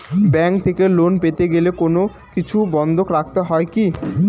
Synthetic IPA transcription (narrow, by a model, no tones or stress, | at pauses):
bɛŋkt̪ʰekelonpet̪eɡelekono | kit͡ɕʰubɔnd̪ʱokɾak̚t̪eɦɔeki